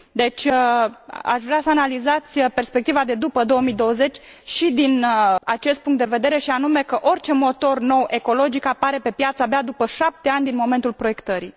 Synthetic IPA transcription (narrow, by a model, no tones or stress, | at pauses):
d̪e̞t͡ʃʲ | a̰ʃvɾeasəanalizat̪sʲpe̞rspek̚t̪ivad̪e̞d̪upəd̪o̞omid̪o̞wəze̞t͡ʃʲ | ʃid̪inat͡ʃe̞st̪̚puŋkt̪d̪eve̞d̪e̞ɾe̞ʃianume̞kəʔo̞rʲt͡ʃe̞mo̞t̪o̞rno̞wʔe̞ko̞lo̞d͡ʒikapaɾe̞pe̞pjat̪səabead̪upəʃap̚t̪e̞anʲd̪inmo̞me̞nt̪ulpɾo̞je̞kt̪əɾi